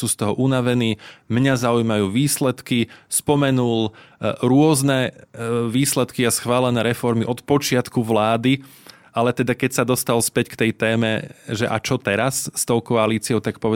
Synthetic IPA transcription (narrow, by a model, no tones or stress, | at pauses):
suːst̪ɔɦɔʔunaʋɛniːmɲazaujmajuːʋiːslɛt̪kispɔmɛnulɾʊɔznɛ | ʋiːslɛt̪kiasxʋaːlɛnɛːɾɛfɔɾmiʔɔt̪pɔt͡ʃɪat̪kuʋlaːd̪i | alɛt̪ɛd̪akɛcsad̪ɔst̪alspɛckt̪ɛjt̪ɛːmɛʒɛʔa̰t͡ʃɔt̪ɛɾasːt̪ɔʊkɔaliːt͡siɔʊt̪ak̚pɔʋɛ